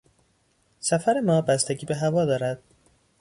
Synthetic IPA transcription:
sæfæɾe̞mɒːbæst̪eɟiːbe̞ɦævɒːd̪ɒːɾæd̪̥̚

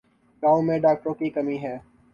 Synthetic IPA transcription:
ɡãːõmẽɖaːk̚ʈɾõkikɐmiɦɛː

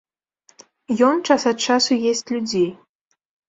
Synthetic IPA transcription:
jɔnt͡ʂasɐt̪t͡ʂasujesʲt͡sʲlʲud͡zʲej

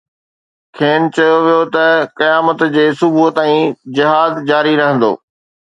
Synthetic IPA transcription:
kʰeːnt͡ɕɐjoʋijot̪ɐkɐjaːmət̪d͡ʑeːsʊbʱuɦt̪aːĩd͡ʑɪɦaːzd͡ʑaːɾiɾɐɦə̃nd̪o̰ː

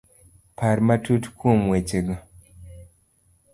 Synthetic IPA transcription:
paɾmatutkʰumwet͡ʃeɡɔ

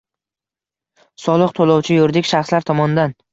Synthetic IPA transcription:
sɒlˠɨqt̪ʰolˠɒwt͡ʃʰɪjoɾd̪ɪkʲʃaχslaɾt̪ʰɒmɒnɪd̪an

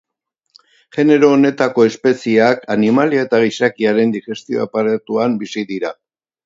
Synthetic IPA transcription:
ʝe̞ne̞ɾo̞ːne̞t̪ako̞e̞spe̞siakanimalioe̞t̪aɣisakiaɾe̞nd̪ixe̞st̪io̞̰apaɾet̪uambisiðiɾa

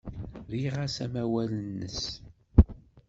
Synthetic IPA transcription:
ɾiʁasæmæwælənːə̰s

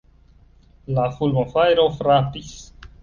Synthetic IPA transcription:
lafulmofajɾofɾapis

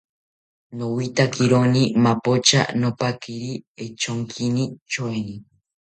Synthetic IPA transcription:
nowit̪akiɾonĩmapot͡ʃa̰nopakiɾiet͡ʃoŋkʰinit͡ʃoenĩ

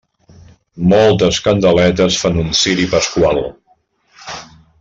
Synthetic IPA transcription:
mɔlˠt̪əskənd̪əlɛt̪əsfanunsiɾipəskwalˠ

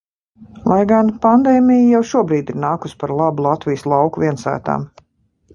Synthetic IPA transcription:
lˠajɡanpand̪ɛːmijjawʃuɔbɾiːd̪iɾnaːkuspaɾlˠabulˠat̪vʲijəslˠɑwkuvʲiɛnsæ̰ːt̪a̰ːm

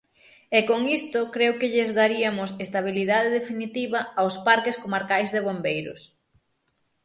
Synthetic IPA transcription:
ɛkoŋist̪ʊkɾewkɪʎɪzðaɾiɐmʊsest̪aβ̞iliðað̞eðefinit̪iβɐawspaɾkɪskomaɾkajzðeβ̞ombejɾʊ̰s

